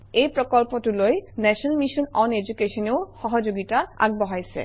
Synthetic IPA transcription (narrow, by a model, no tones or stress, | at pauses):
ejpɾokolpoʈuloenɛʃnlmiʃonɔned͡ʑukeʃonewʃɔɦod͡ʑoɡitaa̰ɡ̚boɦojsʰḛ